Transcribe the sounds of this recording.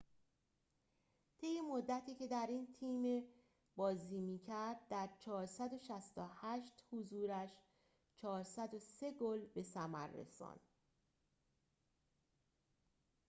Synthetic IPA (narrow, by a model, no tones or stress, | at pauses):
t̪ʰe̞jːemo̞d̪ːæt̪ʰiːce̞d̪æɾiːnt̪ʰiːme | bɒːziːmiːcʰæɾd̪̚d̪æɾt͡ʃʰɒːɾsæd̪o̞ʃæst̪ohæʃt̪huzuːɾæʃ | t͡ʃʰɒːɾsæd̪ose̞ɡolbe̞sæmæɾːḛsɒ̰ːnd̪